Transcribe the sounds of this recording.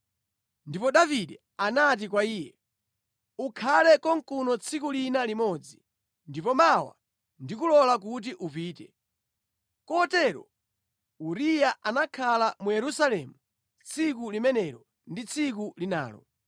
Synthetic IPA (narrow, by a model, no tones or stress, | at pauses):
ndipɔɗaviɗɛ | anat̬ik̬waiːjɛ | ukʰalɛkɔŋkunɔt͡sʰikulinalimɔd͡zi | ndipɔmawa̰ | ndik̬ulɔlak̬ut̬iʔupiːtɛ | kɔtɛːɾɔ̰ | uɾijaʔanakʰalamujɛɾusalɛmu | t͡sʰikulimɛnɛɾɔ | ndit͡sʰik̬ulina̰ːlɔ̰